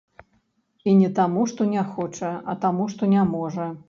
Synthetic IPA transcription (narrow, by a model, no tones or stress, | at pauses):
inʲɛt̪amuʂt̪ɔnʲaxɔt͡ʂɐɐ̰t̪amuʂt̪ɔnʲamɔʐɐ